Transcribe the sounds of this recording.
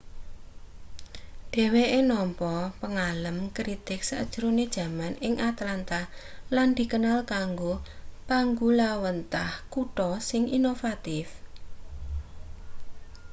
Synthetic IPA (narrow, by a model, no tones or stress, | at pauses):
ɖ̥e̤weʔenɔmpɔpəŋaləmkɾit̪ɪk̚saə̰d̥ʒ̥ɾuned̥ʒ̥a̤manɪŋʔat̪lant̪ahland̪̥i̤kənalkaŋɡopaŋɡulawənt̪ahkuʈɔsɪŋinofat̪ɪf